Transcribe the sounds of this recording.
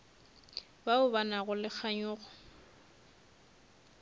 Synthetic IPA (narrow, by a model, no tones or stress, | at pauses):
baʊbanaɣʊlɪk͡xʰaɲʊːɣɔ